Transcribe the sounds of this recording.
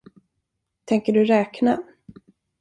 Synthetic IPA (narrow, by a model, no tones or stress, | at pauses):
t̪ʰɛŋkəɖɵɾɛːkna